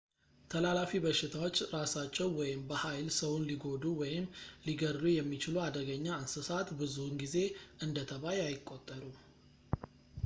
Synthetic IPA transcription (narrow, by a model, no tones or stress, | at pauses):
t̪ʰəlalafibəʃːɪt̪ʰawo̞t͡ʃːɾasat͡ʃːɛwwɔjɪmbəhajlsəwunliɡo̞d̪uwɔjɪmliɡərujɛmːit͡ʃɪluad̪əɡəɲːaansɨsat̪bɨzuhɨnɡize̞ʔɨnd̪ət̪ʰəβajajɪkʼːo̞t̪ʼːəɾu